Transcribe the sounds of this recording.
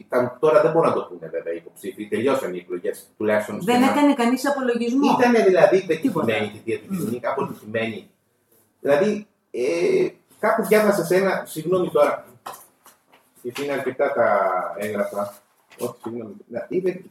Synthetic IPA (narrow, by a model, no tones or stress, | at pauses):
t̪ɐnt̪o̞ɾɐðebo̞ɾinɐt̪o̞puneveveɐipo̞psifit̪e̞ʎo̞sɐnieklo̞ʝest̪ulɐçist̪onsðenekɐnekɐnisɐpo̞lo̞ʝizmoit̪ɐne̞ðilɐðipet̪iimeɲit̪iðiɐðicisinikɐpositime̞ni | ðilɐði | e | kɐpozjʝɐvɐsese̞nɐsiɣno̞mit̪o̞ɾɐ | et̪iineɐɾce̞t̪ɐt̪ɐeŋɣɾɐfɐ | o̞çi̥siɣno̞minɐipe